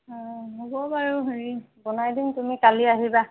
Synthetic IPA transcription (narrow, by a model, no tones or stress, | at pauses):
ɦobɔbaɹuɦɹi | bɔnajdintumikaliaɦiba